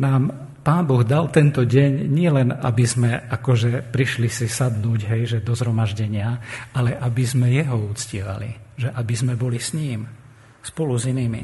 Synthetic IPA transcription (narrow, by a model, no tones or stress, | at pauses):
naːm | paːnbɔɣd̪alt̪ɛnt̪ɔɟɛɲɲɪɛlɛna̰bizmɛʔakɔʒɛpɾiʃlisisad̪nuːɟɦɛjʒɛd̪ɔzɦɾɔmaʒɟɛɲɪaalɛʔabizmɛjɛɦɔuːt͡scɪɛʋa̰lḭʒɛʔabizmɛbɔlisɲiːm | spɔluziniːmḭ